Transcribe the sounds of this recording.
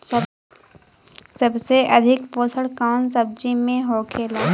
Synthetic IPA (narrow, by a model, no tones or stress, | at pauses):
sɐbseʔɐd̪ʱɪkpoːsəɽkaːʊnsəb̚d͡ʒimẽɦoːkʰeːlaː